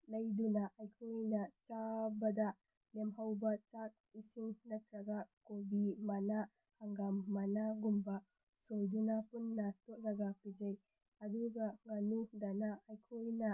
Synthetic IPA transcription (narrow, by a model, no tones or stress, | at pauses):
lɐjdunaʔajkʰojnɐt͡ʃabɐda | lemɦawbɐt͡ʃat̚isiŋnɐk̚ɾaɡakobimana | haŋɡamːanaɡumba | sojdunapunːatɔk̚ɾaɡapid͡ʒaj | aduɡaŋanudanaʔajkʰojna